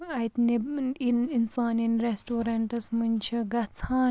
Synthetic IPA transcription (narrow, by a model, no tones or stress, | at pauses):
ɐjt̪niininsaːninɾesʈoːɾɐɳʈɐsmunt͡ʃʰiɡɐt͡sʰaːn